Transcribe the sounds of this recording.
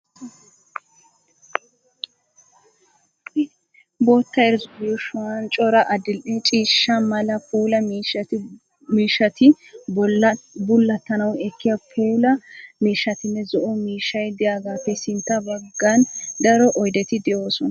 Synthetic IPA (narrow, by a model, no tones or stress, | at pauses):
bo̞ːt̪ːɐɛɾzʊɡuʃʊwɐnt͡ʃʼɔɾɐʔɐd̪ɪlʔɛt͡ʃʼiːʃːɐmɐlɐpuːlɐmiːʃɐ | miːʃːɐt̪ɪ | bʊlːɐt̪ːɐnɐwɛkːɪjapʰuːlɐmiːʃːɐt̪ɪnːɛzɔʔɔmiːʃːɐjd̪ɪjaːɡaːfːɛsɪnt̪ːɐbɐɡːand̪ɐɾɔʔɔjd̪ɛt̪ɪd̪ɛʔo̞ːsɔnɐ